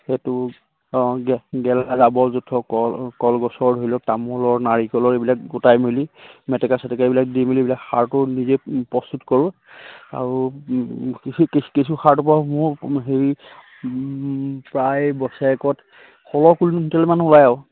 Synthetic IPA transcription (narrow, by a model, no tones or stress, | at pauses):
xetʊ | ɡɛɡɛlazabɔzutʰɔkɔkɔlɡɔsɔɹɦojlɔtamɔlɔɹnaɹikɔlɔɹebilakɡutajmilimɛtɛkasatɛkaebilak̚dimilibilakxa̰ɹtʊnizepɹɔstutkɔɹũ | a̰ɹu | kkesuxaɹtɔpamʊɹɦeɹi | pɹajbɔsaɛkɔt | xɔlɔkulnntɛlɛmanulajaw